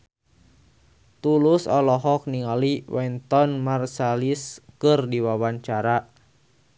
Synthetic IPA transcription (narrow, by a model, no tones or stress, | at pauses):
t̪ulusɔlɔɦɔk̚niŋaliwɛnt̪ɔnmarsaliskɨrdiwawaɲt͡ʃaɾa